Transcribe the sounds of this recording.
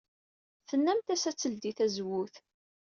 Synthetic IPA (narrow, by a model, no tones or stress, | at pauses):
θənːæmt̪æsæt͡sːəld̪iθæzwʊθ